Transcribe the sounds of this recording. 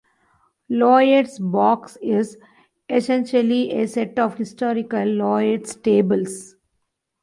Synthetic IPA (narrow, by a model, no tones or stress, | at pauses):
lɔːjeʈsbɔːksɪz | esẽnʃəliʔeseʈɔːʋhɪsʈɔːɾɪkəlːɔːeʈsʈeːbəls